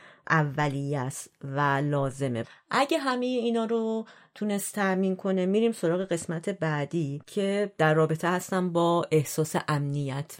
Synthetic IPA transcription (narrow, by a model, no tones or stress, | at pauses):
ʔævːælijæst̪vælɒːze̞mḛʔæɟeɦæmejeiːnɒːɾot̪ʰune̞st̪ʰːæʔmiːnkʰo̞nemiːɾiːmso̞ɾɒːɣe̞ɣe̞smæt̪ʰe̞bæd̪iːcʰe̞d̪̥æɾːɒːbe̞t̪ʰehæst̪æmbɒːʔe̞hsɒːseʔæmnijæt̪ʰ